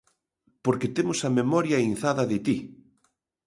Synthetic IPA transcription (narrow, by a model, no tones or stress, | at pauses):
poɾket̪emʊsɐmemɔɾjɐin̟θaðɐðɪt̪i